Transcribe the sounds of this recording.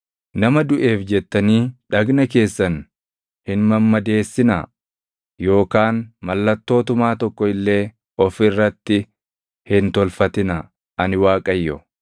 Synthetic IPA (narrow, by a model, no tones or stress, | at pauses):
nɐmɐd̪ʊʔe̞ːfd͡ʒɛt̪ːɐniːᶑɐɡnɐke̞ːsːɐn | hɪnmɐmːɐd̪e̞ːsːɪnɐ̰ | jo̞ːkaːnmɐlːɐt̪ːo̞ːt̪ʊmaːt̪ɔkːɔɪlːe̞ː | ɔfɪrːɐt̪ːɪ | hɪnt̪ɔlfɐt̪ɪnɐ | ɐnɪwaːkʼɐjːɔ